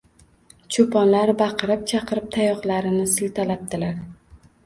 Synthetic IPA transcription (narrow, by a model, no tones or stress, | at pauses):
t͡ʃʰʊpʰɒnlaɾbɑqʰɨɾɪp̚t͡ʃʰɑqʰɨɾɪp̚t̪ʰajɒχlaɾɪnɪsɪlt̪ʰalap̚d̪ɪlaɾ